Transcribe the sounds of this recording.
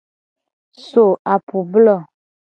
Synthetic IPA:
so˨a˨pu˨blɔ˦˨

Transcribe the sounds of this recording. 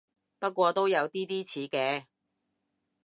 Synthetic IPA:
pɐ˥t̚kʷɔː˧t̪o˥wjɐ˨˧wt̪iː˥t̪iː˥t͡sʰiː˨˥kɛː˧

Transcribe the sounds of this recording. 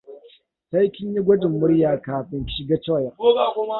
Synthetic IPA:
sa˦jkʲɪ˦ɲji˦ɡʷʊ˦dɪ˨mːʊ˦ɽjaː˨kaː˨ɸɪ˨n˦ʃɪ˨ɡa˦t͡ʃɔ˦˨ja˨o˦ɡa˨kʷʊ˦ma˦

